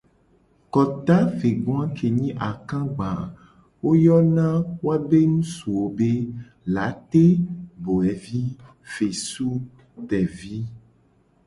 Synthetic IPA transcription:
kɔ˨t̪a˦ve˨ɡã˦kʰe˨ɲĩ˦ʔa˨kã˦ɡ͡bã˨ | wo˦jɔ˦nã˦wo˦a˦be˦nũ˦su˨wo˨be˦ | la˨˦t̪e˦bo˨ɛ˨vi˦ | fe˨su˦ | t̪ɛ˨vi˦

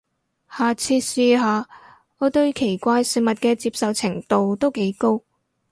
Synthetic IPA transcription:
haː˨t͡sʰiː˧t̚siː˧ɦaː˨˧ | ŋɔː˨˧t̪ɵ˧ɥkʰe˨˩jkʷaː˧jsiː˨˩mɐ˨t̚kɛː˧t͡siː˧p̚sɐ˨wt͡sʰɪ˨˩ŋt̪o˨wt̪o˥wke˨˥jko˥w

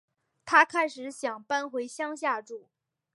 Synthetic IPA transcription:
t̪ʰa˥kʰa˥ɪʂɻ̩˧˥ɕjɑ˨˩ŋpa˥nxwe˧˥ɪɕjɑ˥ŋɕja˥˧ʈ͡ʂu˥˩

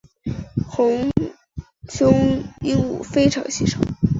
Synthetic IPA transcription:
xʊ˧˥ŋ | ɕjʊ˥ŋi˥nṵ˨˩fe˥ɪʈ͡ʂʰɑ̰˧˥ŋɕi˧˥˩ʂʰo̰˨˥˦ŋ

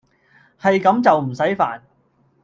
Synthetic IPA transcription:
hɐ˨jkɐ˨˥mt͡sɐ˨wm̩˨˩sɐ˨˥jfa̰ː˨n

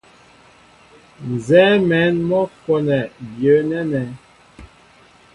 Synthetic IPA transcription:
n˨zɛ˦mɛ˨˦nmɔ˦fɔ˨nɛ˨bjə˨˦nɛ˦nɛ˨

